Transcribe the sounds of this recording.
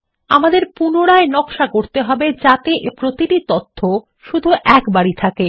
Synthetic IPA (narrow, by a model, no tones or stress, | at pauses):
amad̪eɾpunoɽaenɔkʃakoɾt̪eɦɔbed͡ʑat̪eʔpɾot̪iʈit̪ot̪ʰːo | ʃud̪ʱuʔɛkbaɽit̪ʰake